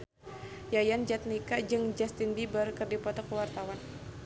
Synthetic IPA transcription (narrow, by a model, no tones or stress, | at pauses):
jajand͡ʒat̪̚nikad͡ʒɨŋd͡ʒast̪inbibərkərdipɔt̪ɔkəwart̪awan